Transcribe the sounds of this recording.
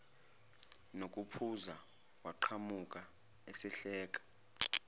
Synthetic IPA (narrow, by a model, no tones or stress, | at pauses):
nok̬ʼupʰuza | waǃʰamukʼa | esɛɬɛːk̬ʼḁ